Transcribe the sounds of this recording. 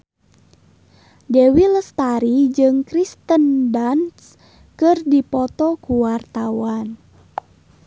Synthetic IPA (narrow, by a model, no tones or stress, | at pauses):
dewiləst̪aɾid͡ʒɨŋkɾist̪əndans | kɨrdipɔt̪ɔkuwart̪awan